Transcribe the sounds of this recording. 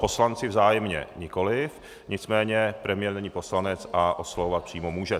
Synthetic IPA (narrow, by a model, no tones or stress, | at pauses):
po̞slant͡sɪvzaːjɛmɲɛ̰ɲɪko̞lɪf | ɲɪt͡smɛːɲɛpɾɛmɪjɛɾnɛɲiːpo̞slanɛt͡sʔaʔoslovovat̪̚pr̥iːmomuːʒɛ